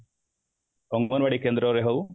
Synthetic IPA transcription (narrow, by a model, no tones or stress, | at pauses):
oŋoːnʋɐɽikʲːend̪ɾoːɾjeɦoʋ